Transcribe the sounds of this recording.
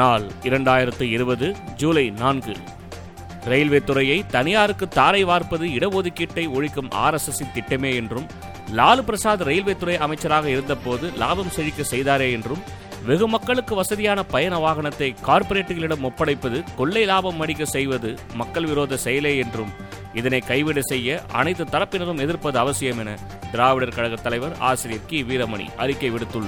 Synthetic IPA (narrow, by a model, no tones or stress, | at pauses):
naːlɪɾɐɳɖaːjɪɾɐt̪ːɯɪɾɯbɐðɯd͡ʒuːlɐɪnaːnɡɯ | ɾɐjlʋeːt̪ːɯɾɐjɐɪt̪ɐnɪjaːɾɯkːɯt̪ːaːɾɐɪʋaːɾpɐðɯɪɽɐʋɔðɯkːɪʈːɐɪɔɻɪkːɯmʔa̰ːɾɐsɐsit̪ːɪʈːɐmeːɛndrɯm | laːlɯpɪɾɐsaːðɐɾɐjɪlʋeːt̪ːɯɾɐɪɐmɐɪt͡ʃːɐɾaːɣɐɪɾɯnd̪ɐpːoːðɯla̰ːbɐmsɛɻɪkːɐsɛjðaːɾeːɛndrɯm | ʋɛɣɯmɐkːɐɭɯkːɯʋɐsɐðɪjaːnɐpɐjɐnɐʋaːɣɐɳɐt̪ːɐɪkaːɾpɔɾeːʈːɯɣɐɭɪɽɐmɔpːɐɽɐɪpːɐðɯkɔɭːɐɪlaːbɐmːɐɽɪk̬ːɐsɛjʋɐðɯ | mɐkːɐɭʋɪɾoːðɐsɛjɐleːɛndrɯm | ɪðɐnɐɪkːɐɪʋɪɽɐsɛjːɐʔɐ̰nɐɪt̪ːɯt̪ːɐɾɐpːɪnɐɾɯmɛðɪɾpɐðɯɐʋɐsɪjɐmɛnɐ̰ | d̪ɪɾaːʋɪɽɐɾkɐɻɐɣɐt̪ːɐlɐɪʋɐɾa̰ːsɪɾɪjɐɾkiʋiːɾɐmɐɳḭʔɐ̰ɾɪkːɐɪʋɪɽɯt̪ːɯɭːɐ